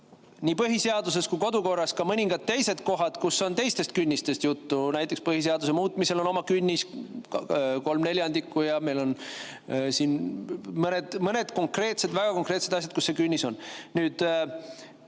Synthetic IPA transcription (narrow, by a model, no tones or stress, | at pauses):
nʲiːpɤɦise̞ɑd̪us̬e̞skujko̞d̪uko̞rːɑskɑmɤnʲiŋɡ̥ɑd̪̚t̪ːe̞jse̞d̪ko̞ɦɑd̪̥kusːo̞nt̪e̞jst̪e̞st̪̚kynʲːist̪est̪jut̪ːunæjt̪ːˑekspɤhis̬e̞ɑd̪us̬e̞muːt̪ːˑmise̞lo̞no̞mɑkynʲːiskko̞lmne̞lʲjɑnd̪ikːˑujɑme̞jlo̞n | siːnmɤne̞d̪̥mɤne̞d̪̥ko̞ŋkre̞ːt̪se̞d̪væɡ̥ɑko̞ŋkˑre̞ːt̪se̞d̪ɑs̬ʲjɑt̪kusːe̞kynʲːiso̞nnyːd̪̥